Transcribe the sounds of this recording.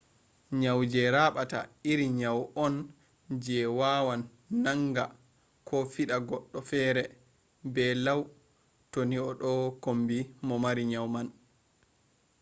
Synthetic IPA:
ɲawd͡ʒɛɾaːɓata̰iɾiɲawʔɔn | d͡ʒɛwaːwanː | aŋɡa | kʰɔfiɗaɡɔɗːɔfɛːɾɛ | bɛlaw | toniɔɗɔkombimɔmaɾiɲawman

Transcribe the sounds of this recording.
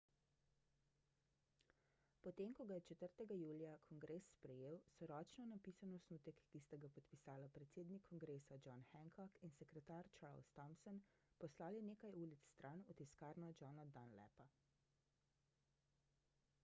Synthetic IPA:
pɔt̪eːmkɔɡajɛt͡ʃɛt̪əɾt̪ɛɡajuːlijakʰɔŋɡɾeːsːpɾɛjeːwsɔɾɔːt͡ʃnɔnapisanɔsnuːt̪ɛkːist̪aɡapɔt̪pisaːlapɾɛt̪seːd̪nikʰːɔŋɡɾeːsad͡ʒɔnxɛŋkʰɔkinsɛkɾɛt̪aɾt͡ʃaɾlst̪ɔmsɔnpɔslaːlineːkajuːlit̪sst̪ɾʔanut̪iskaːɾnɔd͡ʒɔnad̪anlɛ̰pa

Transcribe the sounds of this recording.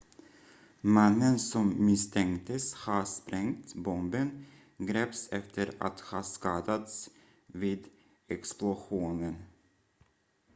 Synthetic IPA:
manːənsɔmːɪst̪ʰɛŋkt̪əshɑʂpɾɛŋt̪bɔmbən | ɡɾɛːpsɛft̪ʰəɾa̰t̪hɑːʂkɑːd̪at̪s | viːd̪ | ɛksplʊɧuːnən

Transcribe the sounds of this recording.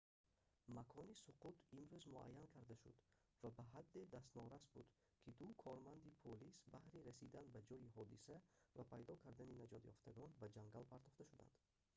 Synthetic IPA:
makʰɔnisuqʰut̪ʰimɾuzmua̰jːankʰaɾd̪aʃṵd̪ | vabaɦad̪ːe̞d̪ast̪nɔɾasbud̪ | kʰid̪ukʰɔɾmand̪ipʰolisbahɾiɾæsid̪anbad͡ʒɔjiɦɔd̪isævapʰajd̪ɔkʰaɾd̪æninad͡ʒɔd̪jɔ̰ft̪ʰaɡɔnbad͡ʒaŋɡalpʰaɾt̪ɔχt̪aʃud̪a̰nd̪̥

